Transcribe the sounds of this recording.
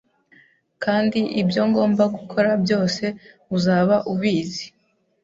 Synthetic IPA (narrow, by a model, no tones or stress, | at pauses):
kʰaːndiʔibjo̞ŋɡo̞ːmbaɡukʰo̞ɾabjo̞ːse̞ | uzaːβaʔuβiːzi